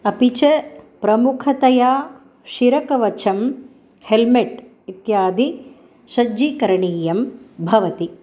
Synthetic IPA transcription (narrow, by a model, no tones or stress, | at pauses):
ɐpit͡ʃɐpɾɐmukʰɐt̪ɐjaː | ʃiɾɐkɐʋɐt͡ʃʰɐm | helmeʈ | it̪jaːd̪i | sɐd͡ʒikɐɾɐɳiːjɐmbʱɐʋɐt̪i